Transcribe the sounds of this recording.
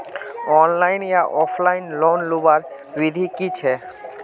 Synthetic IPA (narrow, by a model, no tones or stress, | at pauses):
ɔnlajnjaʔɔflajnlonlubaɾ | ɾid̪ʱikit͡ɕʰe